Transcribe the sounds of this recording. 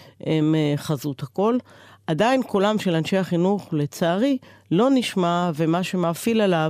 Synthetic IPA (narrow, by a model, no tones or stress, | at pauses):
ʔemeχazut̪hako̞ladainkolamʃelanʃe̞jhaχinuχle̞t͡saːʁilo̞niʃmavemaʃe̞mafilala